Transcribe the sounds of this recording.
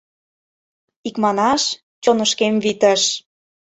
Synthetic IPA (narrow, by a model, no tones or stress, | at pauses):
ikmɑnɑʃ | t͡ɕonəʃkemvit̪ə̆ʃ